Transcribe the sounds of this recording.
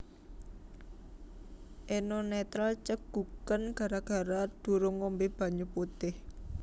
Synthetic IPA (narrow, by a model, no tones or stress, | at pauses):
ʔenonɛt̪ɾalt͡ʃəɡ̥ukənɡ̥a̤ɾaɡ̥a̤ɾad̪̥ṳɾoŋombeb̥a̤ɲuput̪ɪh